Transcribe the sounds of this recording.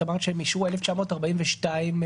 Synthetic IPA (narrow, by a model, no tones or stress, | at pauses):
amaʁtʃemiʃueleft͡ʃamo̞ːtaʁbaimveʃtaim